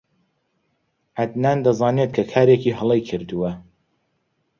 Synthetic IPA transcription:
ʕad̪naːnd̪ɐzɑːnet̪kʰɐkʰaːɾeːkiːɦɨlˠejkʰɨɾd̪uwɐ

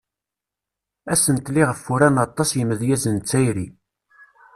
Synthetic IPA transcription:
æsənt̪liʁəfːuɾænɑt̪ˤːɑsjəmːəðjæzənt͡sːæjɾi

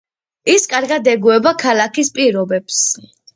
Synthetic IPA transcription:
iskʼaɾɡad̪ɛɡuɛbakʰalakʰispʼiɾɔbɛps

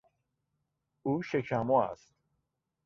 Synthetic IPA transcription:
uʃekʰamɔæ̰st̪

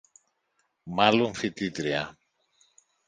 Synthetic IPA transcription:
mɐloɱfit̪it̪ɾiɐ̰

